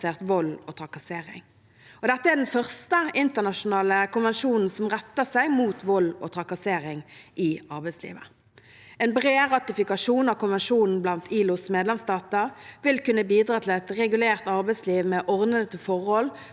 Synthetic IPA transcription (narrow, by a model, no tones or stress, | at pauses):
seːʁt̪ʋɔlːɔt̪ʰʁɑkɑseːʁɪ̰ŋ | ɔd̪ɛt̪ːəæd̪ɛnfœʁst̪əɪnt̪əʁnɑʃʊnɑːləkʊnʋɛnʃuːnn̩sɔmʁɛt̪ːəsæɪmuːt̪ʋɔlːɔ̰t̪ʰʁɑkɑseːʁɪŋʔɪɑʁbɛɪslḭːʋə̰ | ɛnbʁeːʁɑt̪ɪfɪkɑʂuːnɑʋkʊnʋɛnʃuːnn̩blɑnt̪ʰiːlʊsmeːd̪lɛmst̪ɑːt̪əʁʋɪlkʉnːəbiːd̪ɾʁɑːt̪ʰɪlɛt̪ʁɛɡʉleːʁt̪ɑʁbɛɪsliːʋmɛʔɔʁd̪əd̪ət̪ʰɪlfɔʁhɔl